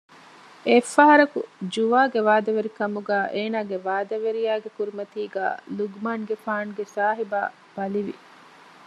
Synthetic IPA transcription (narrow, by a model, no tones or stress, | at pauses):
efːɐɦɐɾɐkṵd͡ʒuʋaːɡeʋaːd̪ɐʋeɾikɐmuɡæːʔeːnaːɡeʋaːd̪ɐʋeɾijaːɡekuɾimɐt̪iːɡa̰ːluɡmaːnɡefaːnɡesaːɦiba̰ː | b̥ɐliʋḭ